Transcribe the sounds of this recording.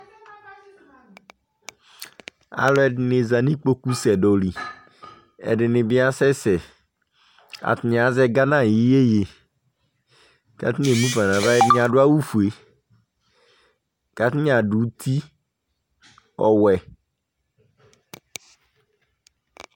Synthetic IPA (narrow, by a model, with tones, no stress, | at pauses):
a̰˨lɔ˦ɛ˦nɪ˨za˨nĩ˦k͡po˦ku˦sɛ˨dɔ˨li˨ | ɛ̰˨ɖɪ˨nɪ̃˨bɪ˦a˦sɛ˦sɛ˨ | a̰˨t̪ɪ˨ɲ˨a˨˦zɛ˦ɡa˦nã˦˨ji˨˦je˦je˨ | ɡ̥a̰˨t̪i˦ɲe˨mũ˦ba˨nã˨va˦ɛ˦ɲ˦ã˨ɖʊ˦a˦wu˦fu˨e˨ | ɡ̥a˨t̪i˦ɲ˦a˨ɖu˨˦t̪ʰi˦ | ɔ˨wɛ˨